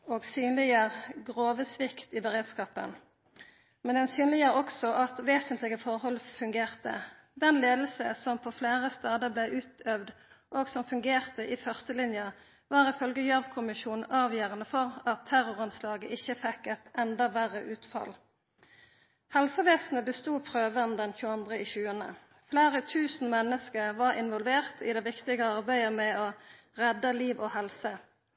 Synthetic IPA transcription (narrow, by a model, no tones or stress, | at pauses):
oːɡsyːnlɪəʁɡʁoːʋəsʋɪkt̪ɪbəʁeːd̪skɑːpə̰n | mɛnd̪ɛnsyːnlɪɡəʁɔksɔʔɑt̪ʋeːsənt̪lɪɡəfɔʁhɔlfʉŋɡeːʁt̪ə̰ | d̪ɛnleːd̪l̩səsɔmpʰɔfleːʁəst̪ɑːd̪əblæɪʔʉːt̪œʋd̪ | ʔoːɡsɔmfʉŋɡeːʁt̪əʔɪfœʁst̪əlɪnjə | ʋɑːʁɪfœlɡəjɑʋkʰʊmɪʃuːnn̩ʔɑːʋjøːʁənəfɔʁɑt̪ʰːæʁʊʁɑnslɑːɡəʔɪçəfɛkːɛt̪ɛnd̪ɑʋæʁəʔʉːt̪fɑ̰l | hɛlsəʋeːsn̩əbəst̪uːpʰʁøːʋənd̪ɛnçʉːəɑnd̪ʁəiçʉːənə̰ | fleːʁət̪ʰʉːsn̩mɛnːəskəʁʋɑʁɪ̰nʋɔlʋeːʁt̪ʰɪ̰d̪ɛʋɪkt̪ɪɡəɑʁbæɪəmɛɔ | ʁɛd̪əliːʋɔhɛlsə